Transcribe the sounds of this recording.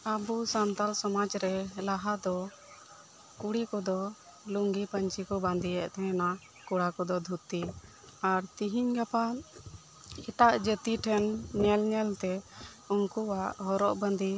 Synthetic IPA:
abusant̪alsɔmad͡ʒɾɛlaɦad̪ɔ | kuɽikɔd̪ɔ | luŋɡipəɲt͡ʃikɔbãnd̪iɛʔt̪ɛɛna | kuɽakɔd̪ɔd̪ʱut̪i | aɾt̪iɦiɲɡapa | ɛʈaʔd͡ʒət̪iʈʰɛnɲɛlɲɛlt̪ɛ | uŋkuwaʔɦɔɾɔʔbənd̪i

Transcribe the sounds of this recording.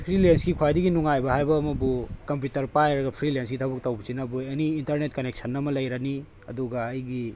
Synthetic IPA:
pʰɾilensɡikʰwajdiɡinuŋajbɐhajbɐːmɐbukɐmpjutɐɾpajɾɐɡɐpʰɾilens̬ɡitʰabuk̚tɐwbɐsinɐbueniːntɐɾnetkɐnek̚sʰɐnːɐmɐlɐjɾɐni | ɐduɡɐːjɡi

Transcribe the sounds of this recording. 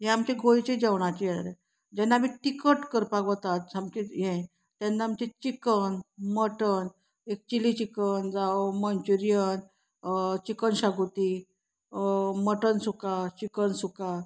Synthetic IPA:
ɦẽamt͡ɕeɡʱojt͡ɕed͡ʑaʋɳ̃at͡ɕijad̪ɾe | d͡ʑɛnːamiʈikəʈkəɾpaɡət̪at̪̚amt͡ɕeɦɛ̃ | t̪ɛnːaamt͡ɕẽt͡ɕikənməʈən | ek̚t͡ɕilit͡ɕikənd͡zawmənt͡ɕuɾijən | t͡ɕikənɕaɡut̪i | məʈənsukat͡ɕikənsuka

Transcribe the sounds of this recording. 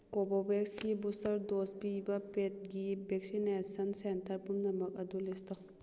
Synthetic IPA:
kobobeksɡibusɐɾdospibɐpet̚ɡibek̚sinesɐnsentɐɾpumnɐmɐk̚ɐdulestɔ

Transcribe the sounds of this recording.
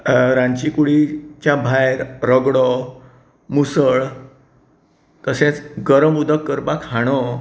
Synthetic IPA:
ɾãɲt͡ɕikuɽit͡ɕjabʱajɾɾəɡɽɔ | musəɭ | t̪əsẽt͡sɡəɾəmud̪ʱəkːəɾpakhaɽ̃o

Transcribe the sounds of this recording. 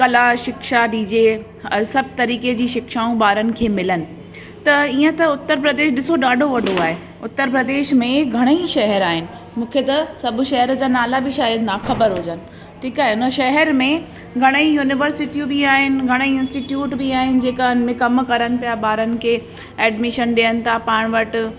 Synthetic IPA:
kɐlaʃɪkʃaɖiːd͡ʑe | ɐɾsɐb̚ʱt̪ɐɾiːked͡ʑiːʃɪkʃaːũɓaːɾənɪ̆kʰeːmɪlənɪ̆ | t̪ɐiːə̃t̪ɐʊt̪ːəɾpɾɐd̪eːʃɗɪsoɗaːɖʱoʋɐɖʱoaːɦe | ʊt̪ːəɾpɾɐd̪eːʃmẽɡʱɐɽ̃əiʃɐɦəɾaːɦɪnɪ̆ | mũːkʰet̪ɐsɐbʊʃɐɦɛɾd͡ʑaːnaːlabʱiʃaːjəd̪naːxɐbəɾɦoːd͡ʑənɪ̆ | ʈʰiːkaːɦeʊn̤əʃɐɦɛɾmẽ | ɡʱɐɽ̃əijuːnɪʋəɾsɪʈijũbiaːɦɪnɪ̆ɡʱɐɽ̃əiɪ̃nsʈiːʈjuːʈbiaːɦɪnɪ̆d͡ʑeːkanmẽkɐmkɐɾənɪ̆pijaɓaːɾənɪ̆kʰeː | ɛːɖmɪʃənɗiənɪ̆t̪ʰapaːɽ̃ʋɐʈ

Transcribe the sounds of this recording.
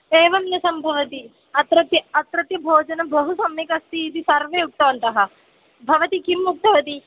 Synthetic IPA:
eːʋɐmnɐsɐmbʱɐʋɐt̪i | ɐt̪ɾɐt̪jɐɐt̪ɾɐt̪jɐbʱoːd͡ʒɐnɐbɐɦusɐmjikɐst̪iːd̪isɐɾʋeːjuk̚t̪ɐʋɐnt̪ɐɦɐ̆ | bʱɐʋɐt̪ikimːuk̚t̪ɐʋɐt̪i

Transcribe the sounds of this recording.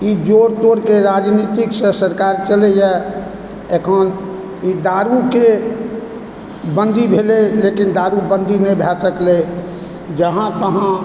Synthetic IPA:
id͡ʒoɾt̪oɾkeɾaːd͡ʒnit̪iksə̃səɾkaːɾt͡ʃəleja | ekʰən | id̪aːɾuke | bə̃nd̪ʱibʱelelekind̪aːɾubə̃nd̪ʱinebʱɛt̪ɾəkʰle | d͡ʒəɦãt̪əɦã

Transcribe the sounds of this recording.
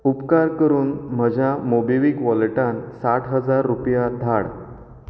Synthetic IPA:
upkaɾkəɾuːnm̤əd͡ʑʱjamobiʋikʋɔlʈãnsaʈʰɦəd͡zaɾːupjad̪ʱaɽ

